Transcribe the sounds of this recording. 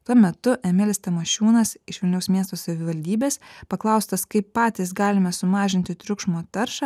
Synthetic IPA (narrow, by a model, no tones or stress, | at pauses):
t̪uɔmʲɛt̪ʊʔɛmʲɪlʲɪst̪ɐmɐʃʲuːnɐsɪʃʋʲɪlʲnʲɛʊsmʲiɛst̪oːsɐʋʲɪʋɐlʲd̪ʲiːbʲeːspɐklˠɐʊst̪ɐskɐɪpːɑːt̪ʲiːs̬ɡɑːlʲɪmɐsʊmɑːʒʲɪnʲt̪ʲɪt̪ʲɾʲʊkʃmoːt̪ɐɾʃɐ